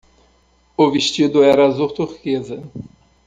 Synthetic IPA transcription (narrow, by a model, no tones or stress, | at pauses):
ʊviʃt͡ʃid̪ʊɛɾɐzuɾt̪uɾkezɐ